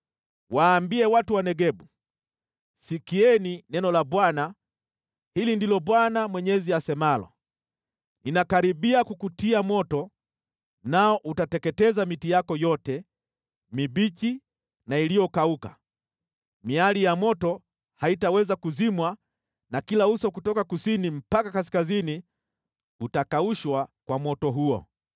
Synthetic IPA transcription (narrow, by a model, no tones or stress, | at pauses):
waːmbiɛwatuwanɛɡɛɓu | sikiɛninɛnɔlaɓwana | hilindilɔɓwanamwɛɲɛziasɛmalɔ̰ | ninakaɾiɓiakukutiamɔtɔ | naɔʔutatɛkɛtɛzamitijakɔjɔtɛ | miɓiki | nailijɔkauka̰ | mialijamɔtɔ | haitawɛzakuzimwa | nakilausɔkutɔkakusinim̩pakakaskazini | utakauʃwakwamɔtɔɦuɔ̰